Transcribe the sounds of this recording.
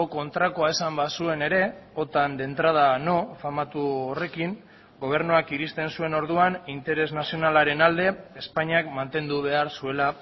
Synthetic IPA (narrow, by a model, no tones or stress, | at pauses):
oko̞nt̪ɾakoaesambasue̞ne̞ɾe̞o̞t̪and̪e̞nt̪ɾað̞ano̞famat̪uore̞kiŋ | ɡo̞β̞e̞ɾnuakiɾist̪e̞nsue̞no̞ɾð̞uanint̪e̞ɾe̞znasio̞nalaɾe̞nald̪e̞espaɲiakmant̪e̞nd̪uβ̞e̞aɾsue̞la